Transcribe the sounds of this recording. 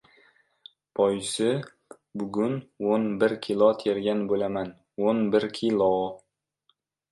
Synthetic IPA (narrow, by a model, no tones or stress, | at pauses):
pʰɒjsɪ | bʊɡʲʊnonbɪɾkʲʰilˠɒt̪ʰeɾɡʲanbolaman | onbɪɾkʲʰilˠɒ